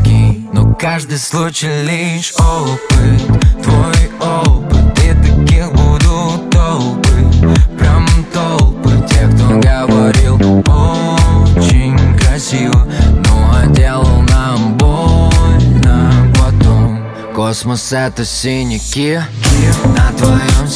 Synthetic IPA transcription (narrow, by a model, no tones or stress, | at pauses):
nokaʐd̪ɨjslˠut͡ɕɪjlʲiʂopɨt̪t̪vojopɨt̪ːit̪ɐkʲixbud̪ʊt̪olˠpɨpɾʲamt̪olˠpɨtʲekt̪oɡəvɐɾʲilˠo | t͡ɕɪɲʲkɾɐsʲivənoɐdʲelˠəlˠnɐmbolnɐpɐt̪om | kosmosɛt̪ʊsʲinʲɪkʲɪkʲɪnɐt̪vɐjom